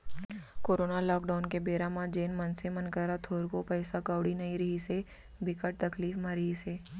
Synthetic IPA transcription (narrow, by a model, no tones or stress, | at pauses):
koːɾoːnalɔːkɖaːʊnkebeːɾãmãd͡ʒeːnmənsemənkəɾat̪ʰoːɾkopəːsakaʋɽinɐiɾɐɦise | bɪkəʈ̚t̪əkliːfmãɾəɦiseː